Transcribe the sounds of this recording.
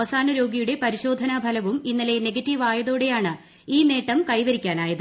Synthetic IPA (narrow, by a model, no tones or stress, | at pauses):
ɐsaːnɐɾo̞ːɡijuɽe̞pɐɾiɕo̞ːd̪ʱɐnabʱɐlɐʋuminːɐle̞ne̞ɡɐtːiʋaːjɐðoːɽe̞jaːɳɨ | iːne̞ːʈːɐmkɐjʋɐɾikʲːaːnaːjɐðɨ